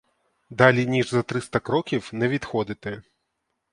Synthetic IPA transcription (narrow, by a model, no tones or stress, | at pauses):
d̪alʲinʲiʐzɐt̪ɾɨst̪ɐkɾɔkʲiwnɛvʲit̪xɔd̪ɨt̪ɛ